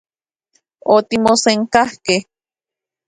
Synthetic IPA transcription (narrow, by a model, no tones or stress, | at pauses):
ot̪imoseŋkahkeh